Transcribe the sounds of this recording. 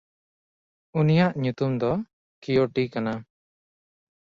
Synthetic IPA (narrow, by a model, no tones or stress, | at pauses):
unijaʔɲut̪umd̪ɔ | kijoʈikana